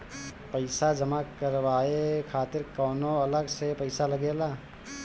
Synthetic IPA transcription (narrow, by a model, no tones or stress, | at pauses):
pəɪsad͡ʒəmakəɾʋaːekʰaːt̪ɪɾkɔːnõɐləɡsepəɪsalɐɡeːlaː